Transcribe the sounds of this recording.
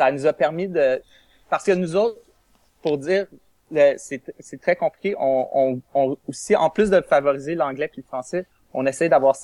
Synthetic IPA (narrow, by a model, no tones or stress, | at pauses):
sanuzapɛʁmid̪ə | paʁsə̥kənuzɔʊt̪χ | puʁdd͡ziːʁ | əsɛsɛt̪χɛkɔ̃plʲi̥kʲeʔɔ̃ɔ̃ɔ̃usiɑ̰̃plʏs̬d̪əfavɔʁizelɑ̃ɡlɛpiləfχɑ̃sɛ | ɔ̃nɛsɛjd̪avwaːʁsa